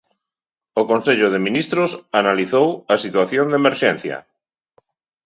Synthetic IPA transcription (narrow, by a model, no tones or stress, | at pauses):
ʊkonseʎʊðemĩnist̪ɾʊsanaliθowasit̪waθjond̪emeɾʃɛn̟θjɐ̰